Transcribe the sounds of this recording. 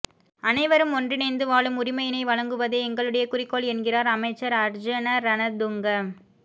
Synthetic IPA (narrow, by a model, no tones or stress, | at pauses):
ɐnɐɪʋɐɾɯmɔndrɪnɐɪnd̪ɯʋaːɭɯmʊrɪmɐjɪnɐɪʋɐɻɐŋɡɯʋɐðeːɛŋɡɐɭɯɽɐjɐkʊrɪkːɔɭɛnɡɪraːɾɐmɐɪt͡ʃːɐɾɐɾd͡ʒɐnɐɾɐnɐd̪ʊŋɡɐm